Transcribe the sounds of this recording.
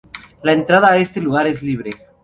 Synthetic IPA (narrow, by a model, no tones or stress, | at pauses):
laent̪ɾaðaːe̞st̪e̞luɣaɾe̞zliβ̞ɾe